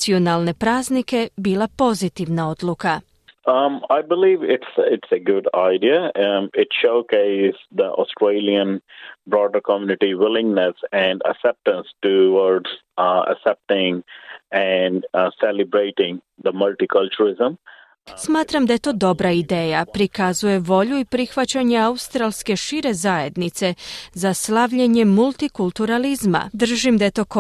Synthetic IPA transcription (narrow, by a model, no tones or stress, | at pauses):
sionaːlˠne̞pɾaːznike̞biːlˠapo̞zit̪iʋnao̞d̪luka | aɪbɪliːʋɪʈsɪʈseɡʊɖaɪɖiaɪʈʃoʊkeɪsd̪əʔɔ̰sʈɾeɪliə̃nbɾɔːɖəɾkɔmjunɪʈiʋɪlɪ̃ŋɡnesɛ̃ɳɖə̰ksɛp̚ʈə̃nsʈuʋɔɾɖz̥ | ə̰ksɛp̚ʈɪ̃ŋɛɳɖselɪbɾeɪʈɪ̃ŋ | d̪əmʌlʈikʌlt͡ʃuɾɪzə̃m | smaːt̪ɾamd̪aje̞t̪o̞ːd̪o̞bɾaid̪e̞ːjapɾikazuje̞ʋo̞ʎuipɾixʋat͡ɕaɲe̞aust̪ɾalske̞ʃiɾe̞zaje̞d̪nit̪se̞zaslaʋʎeɲe̞mulˠt̪ikulˠt̪uɾalizma̰d̪r̩ʒimd̪aje̞t̪o̞ːk